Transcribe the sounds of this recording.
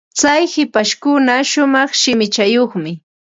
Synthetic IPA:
t͡sajhɪpaʃkʊnaʃʊmɑχʃɪmɪt͡ʃajoχmɪ

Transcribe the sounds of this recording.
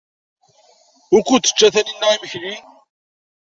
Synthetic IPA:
ʊɾkʷːut̪ːə̥t͡ʃːæθæninːæʕiməçlin

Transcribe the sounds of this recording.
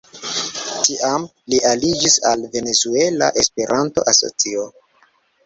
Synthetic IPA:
tiʔam | liʔalid͡ʒisalve̞ne̞zue̞la̰ʔe̞spe̞ɾʔanto̞̰ʔaso̰t͡sio

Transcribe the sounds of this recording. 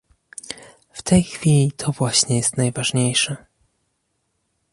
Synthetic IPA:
ft̪ɛjxfʲilʲit̪ʰɔvwaɕɲɛjɛst̪najvaʐɲejʂɛ

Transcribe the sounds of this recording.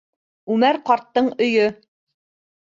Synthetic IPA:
ʉmæɾqɑɾt̪ːɤɴɵ̆jɵ

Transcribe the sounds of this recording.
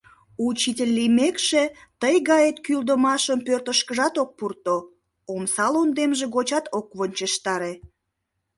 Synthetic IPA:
ut͡ɕitʲelʲːimekʃet̪əjɣɑjet̪kyld̪əmɑʃəmpørt̪əʃkəʒɑt̪ok̚purt̪o | omsɑlond̪emʒeɣot͡ɕɑt̪ok̚βonʲt͡ɕeʃt̪ɑɾe

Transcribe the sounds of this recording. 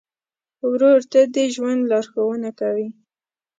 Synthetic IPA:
wɾoɾt̪ad̪əʒwand̪lɑɾxawənakawi

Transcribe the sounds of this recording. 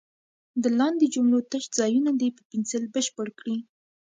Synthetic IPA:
d̪əlɑnd̪ed͡ʒʊmlot̪əʃzɑjunad̪epəpɪnsəlbəʃpəɽkɽi

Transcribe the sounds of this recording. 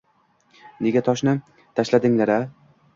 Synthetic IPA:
ne̞ɡʲat̪ʰɒʃnɪ | t̪ʰaʃlad̪ɪŋlaɾa

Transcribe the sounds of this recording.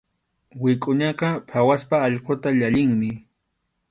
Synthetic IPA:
wɪkʼʊɲɑqɑpʰawaspaːʎqot̪aʎaʎɪŋmɪ

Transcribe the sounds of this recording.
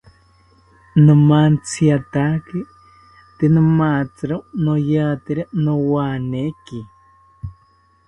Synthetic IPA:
nũmant͡sʰiat̪aki | t̪enɨ̃mat͡sɨɾonojat̪eɾanowaneki

